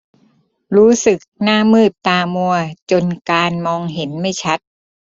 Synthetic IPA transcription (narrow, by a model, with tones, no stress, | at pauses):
ɾuː˦˥sɯ˨˩k̚naː˥˩mɯː˥˩t̪ːaː˧mu˧ɐt͡ɕo˧nkaː˧nmɔː˧ŋɦe˩˦nma˥˩jt͡ɕʰa˦˥t̪̚